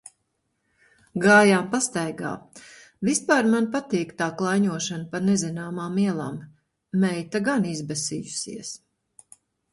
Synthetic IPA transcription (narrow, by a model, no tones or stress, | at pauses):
ɡaːjaːmpast̪ajɡa̰ː | vispaːɾmanpat̪iːkt̪aːklˠajɲuɔʃanpanezinaːmaːmiɛlˠaːmː | ɛjt̪aɡanizbɛsiːjusḭɛs